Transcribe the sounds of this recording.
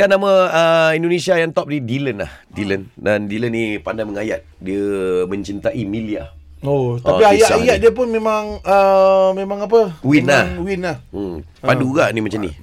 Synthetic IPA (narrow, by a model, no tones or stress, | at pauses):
kanãməəindonẽsiajaŋt̪ɔp̚didilənla̰hdiləndandilənːipandajməŋajat̪̚diəmə̃ɲt͡ʃint̪aʔimilia̰ | ot̪apiajaajat̪̚diəp̬ʊnmẽmãŋəmẽmãŋap̬əwinlahwinahm̩ | paduɡaʔnĩmat͡ʃamnḭ